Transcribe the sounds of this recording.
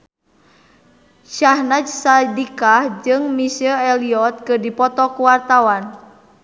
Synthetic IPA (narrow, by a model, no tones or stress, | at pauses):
ʃahnad͡ʒsadikahd͡ʒɨŋmisəɛliɔt̪̚kɨdipɔt̪ɔkuwart̪awan